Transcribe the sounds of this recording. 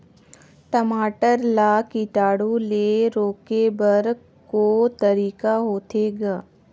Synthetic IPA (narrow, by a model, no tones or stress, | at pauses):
ʈəmaːʈəɾlaːkiʈaːɽuleːɾoːkebəɾ | kot̪ɐɾiːkaɦoːt̪eːɡaː